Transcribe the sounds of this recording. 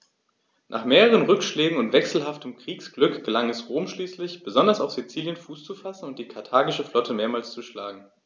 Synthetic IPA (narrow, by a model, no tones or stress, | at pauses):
nʔa̰ːχmeːʁəʁənʁʏkʃlɛːɡŋ̩ʊntv̥ɛksl̩ɦaftʰəmkʁ̥iːksɡ̥lʏkɡ̥əlaŋɛsʁoːmʃliːslɪçb̥əzɔndɐsaʊfz̥it͡siːljənfuːst͡sufasn̩ʊnt̚d̥iːkʰaɐtʰaːɡɪʃəflɔtʰəmeːɐmaːlst͡suʃlaːɡŋ̩